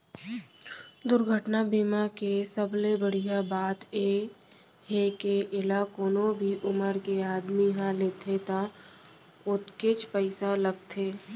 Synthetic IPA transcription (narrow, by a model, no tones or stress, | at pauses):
d̪ʊɾɡʱəʈnabiːmakesəblebəɽ̤ijabaːt̪e | ɦekeʔɪlakoːnobʱiʔʊməɾkeaːd̪miɦãleːt̪ʰet̪a | ʊt̪ket͡ʃpəɪsaləɡt̪ʰeː